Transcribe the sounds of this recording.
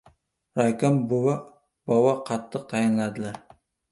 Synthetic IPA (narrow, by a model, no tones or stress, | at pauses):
ɾajkʲambʊwa | bɒwaqʰɑt̪ʰːɨq̚t̪ʰajɪnlad̪ɪlaɾ